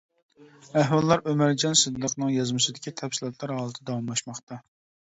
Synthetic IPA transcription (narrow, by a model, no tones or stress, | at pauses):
æhwɑlˠːɑɾʔømæɾd͡ʒɑnsɨd̪ːəqnɨŋjɑzmɨsɨd̪ɪkʲit̪ʰɛfsilˠɑt̪lˠɑɾɦɑːlˠət̪ʰɨd̪ɑwɑmlˠɑʃmɑχt̪ɑ